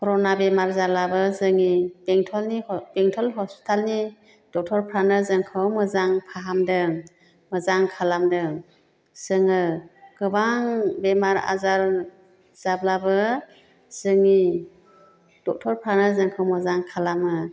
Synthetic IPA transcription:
kʰɔɾɔnabemaɾzablabɯzɯŋibeŋtʰɔlnib̥ɛŋtʰɔlɦɔspi̥tʰalni | d̥ɔk̚tʰɔɾpʰɾanɯzɯŋkʰɯwmɯzaŋpʰaɦamdɯ | mɯzaŋkʰalamdɯ | z̥ɯŋɯɡ̥ɯbaŋbemaɾa̰zaɾ | z̥ablabɯ | z̥ɯŋi | d̥ɔk̚tʰɔɾpʰɾanɯzɯŋkʰɯwmɯzaŋkʰalamɯ

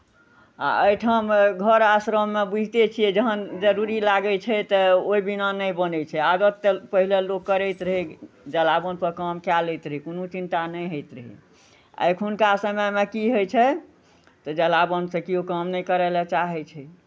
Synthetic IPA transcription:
a̰əjʈʰəmɡʱəɾasɾəmːebud͡ʒʱt̪et͡ʃʰiɛd͡ʒəɦənd͡ʒəɾuɾilaɡɛt͡ʃʰɛt̪ɔoibinanəjbənɛt͡ʃʰɛad̪ət̪ːpəɦilelokːəɾɛjt̪ɾəɦi | d͡ʒəlabənpəɾkəmkjalejt̪ɾəɦikonut͡ʃint̪anəjɦəjt̪ɾəɦḭ | ə̰jkʰunkasəməjmekiɦojt͡ʃʰɛ | t̪ɔd͡ʒəlabənsẽkiokəmnɛjkəɾɛlɛt͡ʃaɦɛt͡ʃʰɛ

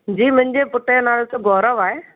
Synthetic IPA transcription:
d͡ʑiːmʊ̃ɦɪ̃ɲd͡ʑepʊʈəjnaːlot̪oɡɔːɾəʋaːɦeː

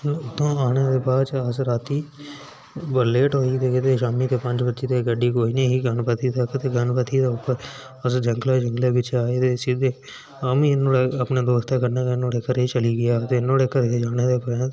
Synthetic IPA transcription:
ʊt̪ːõːaːñeːd̪eːbaːt͡ʃəsɾaːt̪iː | bəleːʈɦoːiːt̪eːkɪt̪eːʃaːmiːt̪eːpəɲd͡ʒbətːʃeːt̪eːɡəɖiːkoːiːneːɦiːɡənpət̪ʰiːt̪əkt̪eːɡənpət̪ʰid̪aːʊpːəɾ | əsd͡ʒəŋɡlaːd͡ʒəŋɡleːbɪt͡ʃaːeːt̪eːsid̪eː | aːmĩːɪnːõːɽeːəpneːd̪oːst̪aːkəɾneːk̪ːnoːɽeːkəɾeːt͡ʃəliːɡɪjaːt̪eːɪnõːɽeːkəɾeːd͡ʒaːɽ̃eːd̪eːpəɾẽ

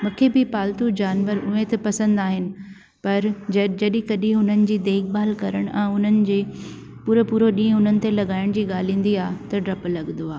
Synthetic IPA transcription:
mũːkʰebɪpaːlt̪ud͡ʑaːnʋəɾʊ̃ːẽːt̪epɐsə̃nd̪aːɦɪnɪ̆ | pɐɾd͡ʑd͡ʑɐɗɪ̃kɐɗɪ̃ɦʊn̤ənɪ̆d͡ʑiːd̪eːkʰɓaːlkɐɾəɽ̃ɛ̃ːʊn̤ənɪ̆d͡ʑeː | puːɾəpuːɾoɗĩːə̃ɦʊnənɪ̆t̪elɐɠaːɪɽ̃d͡ʑiːɠaːl̤ĩːn̆d̪iaːt̪ɐɖɾɐplɐɠnd̪oaːɦ

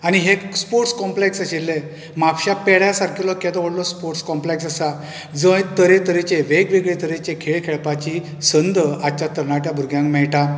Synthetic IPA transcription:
añiɦespoɾʈskɔmpleksəɕilːe | mapɕapeɭjasaɾkʰilɔkɛ̃t̪ɔʋəɽlɔspoɾʈskɔmpleksasa | d͡zəjt̪əɾet̪əɾet͡ɕeʋeɡʋeɡɭet̪əɾet͡ɕekʰeɭkʰeɭpat͡ɕi | sənd̪əad̪t͡ɕat̪əɾɳaʈjabʱuɾɡjãŋkmɛɭʈa

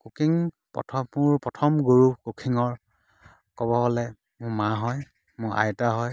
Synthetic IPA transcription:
kukiŋ | pɔ̰tʰɔmʊɹpɹɔtʰɔmɡuɹukukʰiŋɔɹ | kɔbɔɦɔlɛ | mʊɹmaɦɔj | mʊɹʔa̰jtaɦɔj

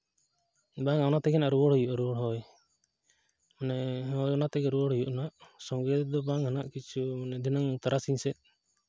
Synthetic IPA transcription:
baŋawnat̪ɛɡɛnaʔɾubɔɽɦɔjuʔaɾuɔɽɦɔj | manɛɦɔjɔnat̪ɛɡɛɾuɔɽ̤ɔjuʔnaʔsɔŋɡɛd̪ɔbaŋɦanaʔkit͡ʃʰumanɛd̪ʱinaŋt̪aɾasiɲsɛʔ̪̚

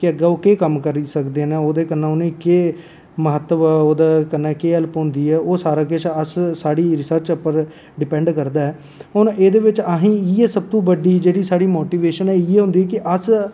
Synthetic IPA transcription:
kɪəɡaːoːkeːkəmkəɾisəkd̪eːnẽːoːd̪eːkənːãːʊnẽːkeː | məɦət̪ːəʋɛːoːd̪aːkənːãːkeːɛlpɦʊ̃nd̪iːɛːʔoːsaːɾaːkɪt͡ʃʰəssaːɽiːɾɪsəɾt͡ʃəpːəɾ | ɖɪpɛ̃ɳɖkəɾd̪aːɛː | ʊneːd̪eːʋɪt͡ʃaɦĩːɪɛːsəb̚t̪õːbəɖiːd͡ʒeːɽiːsaːɽiːmoːʈiːʋeːʃənɛːɪɛːɦʊ̃nd̪iːɛːkɪʔəs

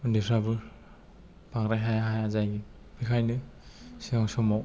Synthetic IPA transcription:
ɯndipʰɾabɯ | paŋɾajɦajaɦajazajɡi | bikʰajnɯsiŋaŋsɔmɔw

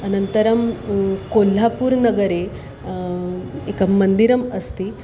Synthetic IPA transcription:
ənənt̪əɾɐmkol̤ːapuːɾnɐɡəɾe | ekamənd̪iɾɐmɐst̪iː

